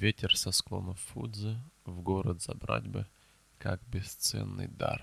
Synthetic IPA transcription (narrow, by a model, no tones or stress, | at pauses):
vʲetʲɪrsɐsklˠo̰nəfːud̪zɨvɡoɾət̪z̥ɐbɾa̰dʲbɨ | kakbʲɪst̪sɛ̰nːɨ̰jd̪ar